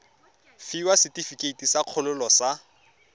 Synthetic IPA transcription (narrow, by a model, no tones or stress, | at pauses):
fiwasɪtʼifikʼeitisaq͡χʰʊlʊlɔsa